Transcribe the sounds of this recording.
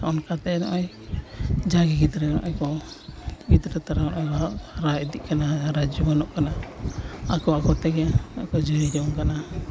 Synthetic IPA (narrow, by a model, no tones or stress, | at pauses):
aɔnkat̪ɛnɔ̰ʔɔj | d͡ʒaɡɛɡid̪ɾɛnɔ̰ʔajkɔ | bid̪ɾɛt̪aɾaɔnʔɔjkɔɾaɛd̪iʔkanaɾad͡ʒumanɔʔkana | akɔakɔt̪ɛɡɛnɔkɔd͡ʒuɾiɾɛɔŋkana